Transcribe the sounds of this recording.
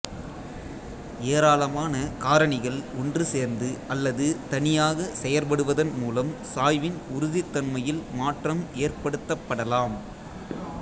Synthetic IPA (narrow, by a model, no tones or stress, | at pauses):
eːɾaːlɐmaːnɐkaːɾɐɳɪɣɐɭɔndrɯseːɾnd̪ɯʔɐlːɐðɯt̪ɐnɪjaːɣɐsɛjɐɾpɐɽɯʋɐðɐnmuːlɐmsaːjʋɪnʊɾʊðɪt̪ːɐnmɐjɪlmaːʈrɐmeːrpɐɽɯt̪ːɐpːɐɽɐlaːm